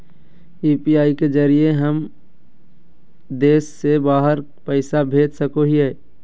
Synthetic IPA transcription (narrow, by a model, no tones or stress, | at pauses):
iːpiaːiked͡ʒəɾieɦəm | d̪eːsːebaːɦəɾ | pəɪsabʱeːd̪səkoɦiɦɛː